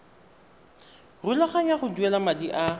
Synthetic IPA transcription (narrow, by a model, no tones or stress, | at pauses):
rulaχaɲaχʊduɛlamadiʔa